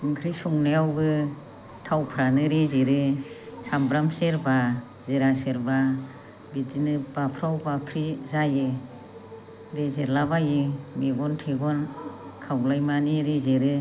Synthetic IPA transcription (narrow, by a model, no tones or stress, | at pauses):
ɯŋkʰɾisɔŋneawɡɯ | tʰawpʰɾanɯɾizeɾɯsambɾamseɾba | zeɾaseɾba | bizinɯbapʰɾawbapʰɾizajɯ | dezeɾlabajɯmeɡɔntʰeɡɔn | kʰawlajmaniɾizeɾɯ